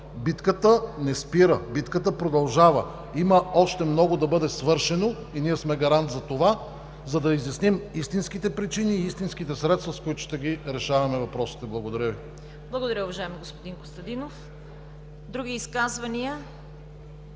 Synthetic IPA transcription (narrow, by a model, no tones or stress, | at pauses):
bit̪kət̪ənɛspiɾəbit̪kət̪̬əpɾod̪ɐlˠʒavə | iməɔʃt̪ɛmnɔɡod̪ɐbɤd̪ɛsvɤɾʃɛno | iniɛsmɛɡɐɾant̪zɐt̪ova | zɐd̪ɐizjɐsnimist̪inskit̪ɛpɾit͡ʃiniːist̪inskit̪ɛsɾɛt̪st̪vɐskoit̪ʊ̥ʃt̪ɛɡʲiɾɛʃavɐmɛvɐpɾɔsi̥t̪ɛblˠɐɡod̪ɐɾʲəvi | blˠɐɡod̪ɐɾʲəʊvɐʒaɛmiɡospod̪inko̥st̪ɐd̪inof | d̪ɾuɡʲiːskazvɐniə